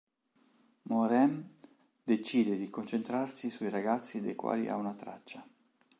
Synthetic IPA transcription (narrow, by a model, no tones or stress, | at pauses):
moɾɛm | d̪et͡ʃiːd̪ed̪ikont͡ʃent̪ɾarsisuiɾaɡat̪sːid̪ḛjkwa̰ːlḭʔa̰unat̪ɾa̰t͡ʃːa